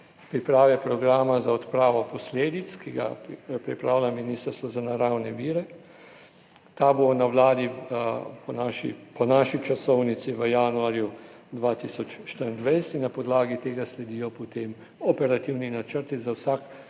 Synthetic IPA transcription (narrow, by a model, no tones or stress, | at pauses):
pɾipɾaːʋɛpɾɔɡɾaːmazaɔt̪pɾaːʋɔpɔsleːd̪it̪skiɡa̰pɾipɾaːwlʲaminiːst̪əɾst̪ʋɔzanaɾawnɛʋiːɾɛ | t̪abonawlaːd̪i | pɔnaːʃḭpɔnaːʃit͡ʃasɔwnit̪siʋəjaːnuaːɾjud̪ʋaːt̪isɔt͡ʃʃt̪əɾənd̪ʋajsɛt̪inːapɔd̪laːɡit̪eːɡaslɛd̪iːjɔpot̪em | ɔpɛɾat̪iwninat͡ʃəɾt̪izawsak